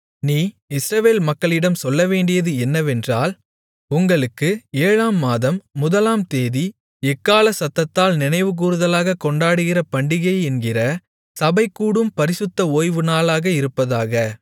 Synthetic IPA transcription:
niː | ɪsɾɐʋeːlmɐkːɐɭɪɽɐmsɔlːɐʋeːɳɖɪjɐðɯɛnːɐʋɛndraːl | ʊŋɡɐɭɯkːɯeːɻaːmːaːðɐmːʊðɐlaːmt̪eːði | ɛkːaːlɐsɐt̪ːɐt̪ːaːlnɪnɐɪʋɯk̬uːɾɯðɐlaːɣɐkɔɳɖaːɽɯɣɪrɐpɐɳɖɪɣɐɪɛnɡɪrɐ | sɐbɐɪkːuːɽɯmpɐɾɪsɯt̪ːɐoːjʋɯnaːlaːɣɐɪɾɯpːɐðaːɣɐ

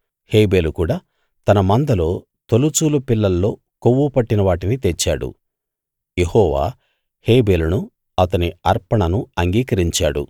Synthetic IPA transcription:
he̞ːbe̞ːlukuːɽaː | t̪ɐnɐmɐnd̪ɐlo̞ː | t̪olut͡ʃuːlupilːɐlːo̞ː | koʋːupɐʈːinɐʋaːʈinit̪et͡ʃːaːɽṵ | je̞hɔːʋa̰ː | he̞ːbe̞ːlunu | ɐt̪ɐniɐɾpɐɳɐnuɐŋɡiːkɐɾiɲt͡ʃa̰ːɽṵ

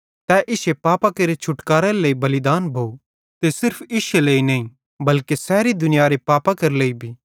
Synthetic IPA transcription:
t̪ɛʔɪʃepaːpakɐɾet͡ʃʰʊʈkaːɾɛleːibɐlɪd̪aːnbʱoːu | t̪esɪɾpʰɪʃeleːinɐĩ | bɐlkesɛːɾid̪ʊnɪjaːɾepaːpakɐɾleibʱiː

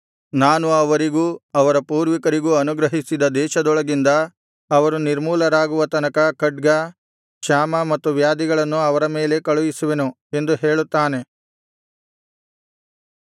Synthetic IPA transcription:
naːnuɐʋɐɾiɡuːɐʋɐɾɐpuːɾʋikɐɾiɡuːɐnuɡɾɐɦisid̪ɐd̪ɛːʃɐd̪ɔɭɐɡind̪ɐː | ʋɐɾuniɾmuːlɐɾaːɡuʋɐt̪ɐnɐkɐkɐɖɡɐ | ʃaːmɐmɐt̪ːuʋjaːd̪iɡɐɭɐnːuɐʋɐɾɐme̞ːle̞kɐɭuʋisuʋenu | e̞nd̪uɦeːɭut̪ːaːne̞

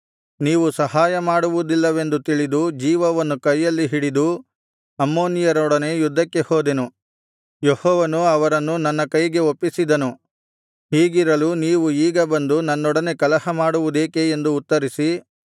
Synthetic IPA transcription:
niːʋusɐɦaːjɐmaːɽuʋud̪ilːɐʋe̞nd̪ut̪iɭid̪ud͡ʒiːʋɐʋɐnːukɐjːɐlːiɦiɽid̪u | ɐmːoːnijɐɾɔɽɐne̞jud̪ʱːɐkːe̞hoːd̪e̞nu | jehɔːʋɐnuɐʋɐɾɐnːunɐnːɐkɐjɡe̞opːisid̪ɐnu | ɦiːɡiɾɐluniːʋuiːɡɐbɐnd̪unɐnːɔɽɐne̞kɐlɐhɐmaːɽuʋud̪e̞ːkeːnd̪uːt̪ːɐɾisi

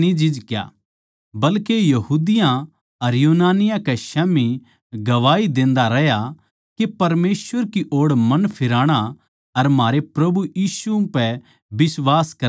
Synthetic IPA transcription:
nid͡ʒɪd͡ʒkja̰ː | bɐlkejɐɦuːd̪ɪjã | ɐɾjuːnaːnɪjãkɛʃɛːmi | ɡɐʋaːid̪ẽːnd̪aɾɐɦja | kepɐɾmeːsʋəɾkiʔoːɽmɐnpʰɪɾaːɽ̃a | ɐɾmaːɾepɾɐbujiːsupɛ | bɪsʋaːskɐ

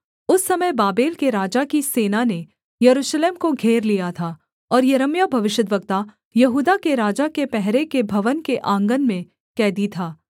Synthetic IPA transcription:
ʊsːɐməjbaːbeːlkeɾaːd͡ʒakiseːnane | jɐɾuːʃleːmkoɡʱeːɾlijat̪ʰaː | ɔːɾjɐɾəmjabʱɐʋɪʃjəd̪ʋək̚t̪a | jɐɦuːd̪akeɾaːd͡ʒakepɛɦɾekebʱɐʋənkeʔãːŋɡənmẽ | kɛːd̪it̪ʰaː

